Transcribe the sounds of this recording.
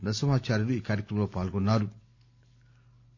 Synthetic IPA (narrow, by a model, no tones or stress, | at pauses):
nɐsɐmaːt͡ʃaːɾiduikaɾikumlopaːlɡonadu